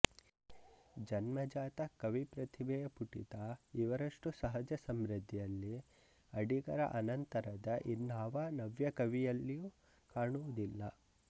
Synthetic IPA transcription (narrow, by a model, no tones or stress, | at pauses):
d͡ʒɐnmɐd͡ʒaːt̪ɐkɐʋipɾɐt̪ʰibɛjɐpuʈḭt̪aiʋɐɾɐʂʈusɐɦɐd͡ʒɐsɐmɾɐd̪ʱːijɐlːi | ɐɽiɡɐɾɐ̰ʔɐnɐnt̪ɐɾɐd̪ɐʔinːɦɐʋaːnɐʋjɐkɐʋijɐlːijuː | kaːɳuʋud̪ilːɐ